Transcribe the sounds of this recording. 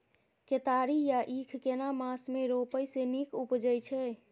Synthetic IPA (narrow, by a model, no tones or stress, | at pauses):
ket̪aɾijaʔikʰkenamasmeɾopəjsenikupd͡ʒəjt͡ʃʰɛ